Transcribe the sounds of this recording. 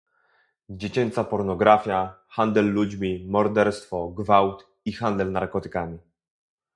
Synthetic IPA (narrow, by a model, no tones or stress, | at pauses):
d͡ʑet͡ɕɛnt̪sapɔɾnɔɡɾafʲja | xand̪ɛlːud͡ʑmʲimɔɾd̪ɛɾst̪fɔɡvawt̪ | ixand̪ɛlnaɾkɔt̪ɘ̥kamʲi